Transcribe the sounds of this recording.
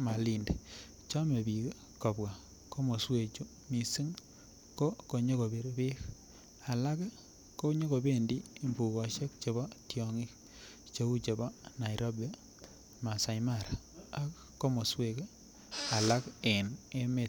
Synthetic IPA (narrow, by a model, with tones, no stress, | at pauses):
ma˨li˨nde | t͡ʃɔ˦me˨bi˨k | ko˨bwa˨ | ko˦mo˨swe˨t͡ʃu˦ | mi˨si˦ŋ | ko˦ko˨ɲo˦ɣo˨be˨ɾbe˦k | a˨la˦k | ko˦ɲo˦ɣo˨be˦ndiː˦˨mbu˨ɣɔ˨ʃe˦kt͡ʃe˨βɔ˦tjɔŋi˦k | t͡ʃo˦u˦t͡ʃe˨bɔ˦na˨iɾo˦ba˨ | ma˨sa˨jmaɾa | a˨kːo˦mo˨swe˨k | a˨la˦kene˦me˨